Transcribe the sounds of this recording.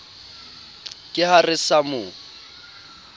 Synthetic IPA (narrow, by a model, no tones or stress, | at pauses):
kʼɪharɪsamʊ